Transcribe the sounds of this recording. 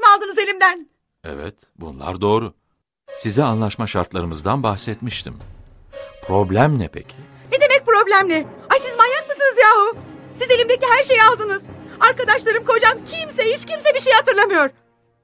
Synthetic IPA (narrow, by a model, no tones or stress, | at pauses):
malˠd̪ɯnɯze̞lʲimd̪æn | ɛ̰vɛ̰t̪ | bṵnlˠa̰ɾd̪o̞ːɾu | sizianlˠaʃmaʃaɾt̪lˠaɾɯmɯzd̪anbaxsɛt̪miʃt̪ʰḭm | pɾo̞blʲæmnɛpʰḛcʰi | ned̪e̞mɛc̚pɾo̞blʲæmlʲɪasizmajanmɯsɯnɯzjaːɦusize̞lʲimd̪eciɦæɾʃe̞jalˠd̪ɯnɯz̥aɾkad̪aʃlˠaɾɯmkʰo̞d͡ʒamcʰimsehit͡ʃcimsebiɾʃejhat̪ɯɾlˠamɯjo̞ɾ̥